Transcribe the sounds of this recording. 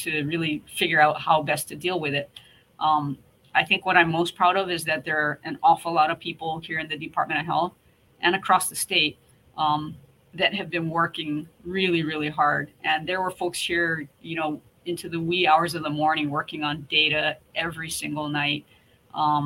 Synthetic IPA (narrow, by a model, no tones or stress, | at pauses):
tʰɨɨɹɪlˠifɪɡjə˞aʊt̚haʊbɛstʰɨdilˠwɨðɪt̚ | ʔʌ̃m | aɪθɪ̃ŋkwʌɾãɪ̃mːoʊspʰɹ̥aʊɾʌvɨzðɨt̪̚ðə˞ʔɨ̃nɔfl̩ˠlɔɾʌv̥pʰipl̩ˠhiɹɨ̃nðɨdɨpʰɑ̰ɹt̚mɨ̃ɾ̃ʌv̥ɦɛlˠθ | ʔɨ̃ñɨkʰɹ̥ɔsðɨsteɪt̚ | ʔʌ̃m | ðɨt̚ɦɨvbɨ̃nwɜ˞kɪ̃ŋɹɪlˠiɹɪlˠiɦɑɹdʔɨ̃nðə˞wə˞foʊkshiɹjɨñoʊ | ɪ̃ntʰʉðɨwiaʊə˞zʌvðəmɔɹnɪ̃ŋwɜ˞kɪ̃ŋə̃ndeɪɾɨʔɛvɹisɪ̃ŋɡl̩ˠnaɪt̚ | ʔʌ̃